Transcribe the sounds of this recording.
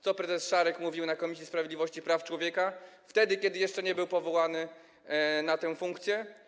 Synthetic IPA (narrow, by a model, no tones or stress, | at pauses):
t̪sɔpɾɛzɛsʂaɾɛkmuvʲiwnakɔmʲis̬ʲjispɾavjed̪lʲivɔɕt͡ɕipɾaft͡ʂwɔvʲjɛkaft̪ɛd̪ɘkʲjɛd̪ɘjɛʂt͡ʂɛɲɛbɘwpɔvɔwanɘ | nat̪ɛw̃fuŋkt̪sʲjɛ